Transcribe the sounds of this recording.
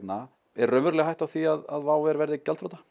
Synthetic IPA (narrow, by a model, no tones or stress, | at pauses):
t̪na | ɛrːœmʏɾlɛɣɦajht̪awθiaðaðvaːwɛɾvɛɾðɪcɛlfowt̪ḁ